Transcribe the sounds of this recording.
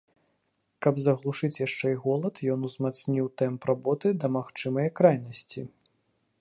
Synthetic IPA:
kɐbzɐɣlˠuʂɨt͡sʲjaʂt͡ʂɛjɣɔlˠɐt̪jɔnuzmat̪snʲiwt̪ɛmprabɔt̪ɨd̪ɐmaxt͡ʂɨmɐjɐkɾajnɐsʲt͡sʲi

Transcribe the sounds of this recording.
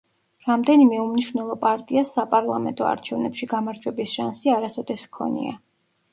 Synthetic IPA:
ɾamd̪ɛnimɛumniʃwvnɛlˠɔpʼaɾt̪ʼiasːapʼaɾlˠamɛ̰nt̪ʼɔa̰ɾt͡ʃʰɛvnɛpʃiɡamaɾd͡ʒwɛbisʃansiaɾasɔd̪ɛskʰɔ̰nḭa̰

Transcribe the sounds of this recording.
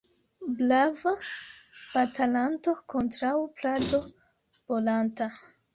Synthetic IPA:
blava | b̥atalanto̞kʰontɾawplado̞ | b̥olanta

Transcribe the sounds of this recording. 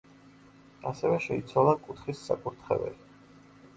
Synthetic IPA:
asɛvɛʃɛit̪sʰwalˠakʼut̪ʰχisːa̰kʼuɾt̪ʰχɛ̰vɛ̰li

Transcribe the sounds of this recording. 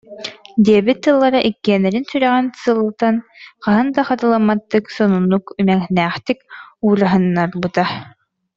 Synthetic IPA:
d̪iɛbit̪ːɯlˠːaɾaʔikːiɛnɛɾinsyɾœʁɛnsɯlˠɯt̪anqaɦɯnd̪aχat̪ɯlˠamːat̪ːɯksɔnunːukymɛŋnæːχt̪ikuːɾaɦɯnːaɾbut̪a

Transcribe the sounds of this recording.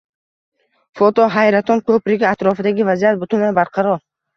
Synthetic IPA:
fɔt̪ɔɦajɾat̪ʰɔnkʰɵpɾɪɡʲiat̪ɾɔfid̪aɡʲivazijat̪̚bʊt̪ʰunabaɾqʰɑɾɔɾ

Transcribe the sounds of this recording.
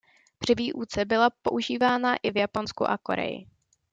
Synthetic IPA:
b̥r̥ɪviːʔuːt͡sɛbɪlapo̞ʔuʒiːvaːnaʔɪvjapo̞nskṵʔa̰ko̞̰ɾɛ̰jɪ̰

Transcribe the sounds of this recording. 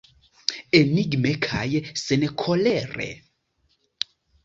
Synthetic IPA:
eniɡimɛkʰajɛsɛnɛkʰɔlɛːrɛ̰

